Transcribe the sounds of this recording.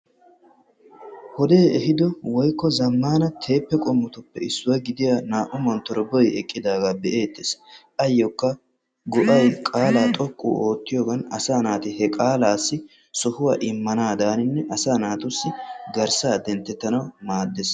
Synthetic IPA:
hɔd̪e̞ːɛhɪd̪ɔwɔjkːɔzɐmːaːnɐt̪ʰe̞ːpːɛkʼɔmːʊt̪ʊpːɛɪsːʊwɐɡɪd̪ɪjaːnaːʔʊmɐnt̪ːɔɾɔbɔjɛkʼːɪd̪aːɡaːbɛʔeːt̪ːɪsʔɐjːɔkːɐ | ɡɔʔɐjkʼaːlaːt̪ʼɔkʼːṵːo̞ːt̪ːɪjoːɡɐnɐsaːnaːt̪ɪhɛkʼaːlaːsːɪ | sɔhʊwaːʔɪmːɐnaːd̪aːnɪnːɛʔɐsaːnaːt̪ʊsːɪɡɐɾsaːd̪ɛnt̪ːɛt̪ːɐnɐwmaːd̪ːɛs

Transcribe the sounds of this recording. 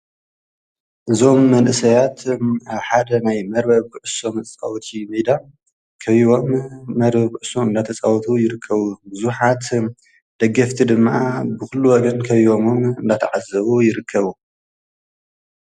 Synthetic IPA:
ʔɨzo̞mːɐnʔɨsɐjat̪aβħad̪ɐnajmɐɾbɐbɨʕɨso̞mɐt͡sʼa̰wt̪ʰimid̪a | kʰɐβiomːɐɾbɐbʕɨsoɨnd̪at̪ʰɐt͡sʼawt̪ʰujɪɾɨkʰːɐβubɨzuħat̪ | d̪̥ɐɡːɐft̪ʰid̪ɨmːabɨkulːuwɔɡɐnkʰɐβiwo̞momɨnd̪at̪ʰɐʕazɐβujɪɾɨkʰːɐβu

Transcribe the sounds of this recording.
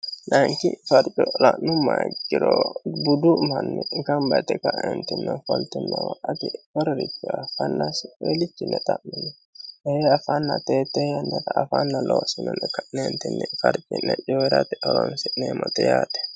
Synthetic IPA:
naŋkifaɾt͡ʃɔlaʔnumakiɾɔbudumanːɛkambatɛkaʔɛntinːɛfoltinːawaʔatifaɾɾit͡ʃːuafanːasɾelit͡ʃːinɛtaʔminɛ | ɛjafanːatɛtɛjandɛtaafanːalɔsinanɛkanɛntinːɛfaɾt͡ʃɛnɛd͡ʒɔɾatɛʔɔɾɔnsɛnɛmatɛjatɛ̥

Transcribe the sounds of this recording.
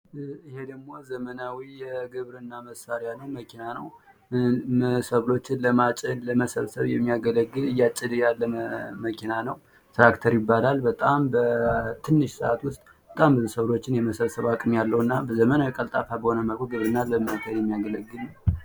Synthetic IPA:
ɨhe̞d̪əɡmo̞zəmənawijɛɡɨβɾɨnːaməsaɾjanəwməkʰinanəw | məsəβlo̞t͡ʃːɪnləmat͡ʃʼɛlləməsəβsəβjɛmːijaɡələɡːɨlɨjːat͡ʃʼːɪd̪ɨjalːəməkʰinanəw | t̪ʰɾakt̪ʰəɾjɪbːalalbət̪ʼambət̪ʰɨnːɨʃsəʔat̪wʊst̪ʼbət̪ʼambɨzusəβlo̞t͡ʃːɪnjɛməsəβsəβakʼɨnjalːəhɨnːabəzəmənakʼəlt̪ʼafabəho̞nəməkʰɡɨβɾɨnːazəmnək̪ʰəljɛmːijaɡələɡːɨlnw

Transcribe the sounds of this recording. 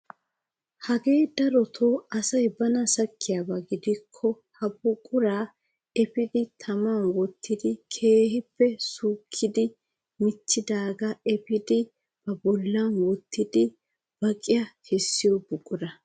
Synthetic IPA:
hɐɡe̞ːd̪ɐɾɔt̪ʰoːɐsɐjbɐnɐsɐkʰːɪjaːbɐɡɪd̪ɪkʰːɔ | hɐbʊkʼːʊɾaː | ɛpɪd̪ɪt̪ʰɐmaːnwɔt̪ʰːɪd̪ɪkʰe̞ːhɪpːɛsuːkʰːɪd̪ɪ | mɪt͡ʃːɪd̪aːɡɐɛpɪd̪ɪ | b̥ɐbɔlːanwɔt̪ːɪd̪ɪ | b̥ɐkʼɪjɐhɛsːɪjɔbʊkʼːʊɾɐ

